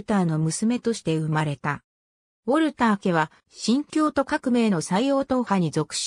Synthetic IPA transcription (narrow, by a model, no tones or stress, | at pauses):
t̪aːno̞mɯ̟sɨme̞t̪o̞ɕi̥t̪e̞ɯ̟maɾe̞t̪a | o̞ɾɯ̟t̪aːke̞β̞a | ɕĩŋkʲo̞ːt̪o̞kakɯ̟me̞ːno̞saijo̞ːt̪o̞ːhaɲ̟izo̞kɯ̟̥ɕ